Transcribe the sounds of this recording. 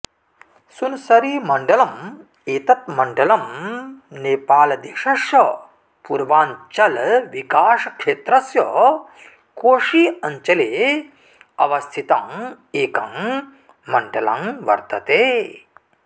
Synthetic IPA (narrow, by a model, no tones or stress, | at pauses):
sunsɐɾiːmɐɳɖɐlɐm | eːt̪ɐt̪̚mɐɳɖɐlɐm | neːpaːlɐd̪eːʂɐʃjɐ | puɾʋaːɲt͡ʃɐlʋikaːʂɐkʂeːt̪ɾɐsjɐ | koːʂiːɐɲt͡ʃɐleː | ɐ̰ʋɐst̪ʰit̪aːm | eːkɐm | mɐɳɖɐla̰mʋɐ̰ɾt̪ɐt̪eː